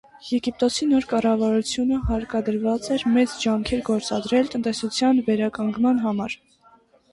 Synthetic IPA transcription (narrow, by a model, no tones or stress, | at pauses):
jɛɡip̚t̪ɔsinɔɾkɑrɑvɑɾut͡sʰjunəhɑɾkɑd̪əɾvɑt͡sɛɾmɛt͡sd͡ʒɑŋkʰɛɾɡɔɾt͡sɑd̪ɾɛlt̪ənt̪ɛsut͡sʰjɑnvɛɾɑkɑŋɡmɑnɦɑmɑɾ